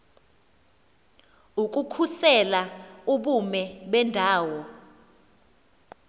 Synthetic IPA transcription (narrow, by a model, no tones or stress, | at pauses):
uk̬ʼukʰusɛlauɓumɛɓɛndʱaːwɔ